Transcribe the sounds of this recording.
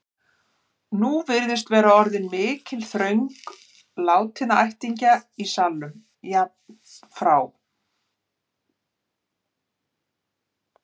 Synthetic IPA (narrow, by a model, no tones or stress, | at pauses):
nuvɪɾðɪst̪vɛːɾaɔɾðɪnmɪːcʰɪlθɾœɥŋk | laːwt̪ʰɪnaajht̪iɲcaisalːʏm | ja | fɾaːw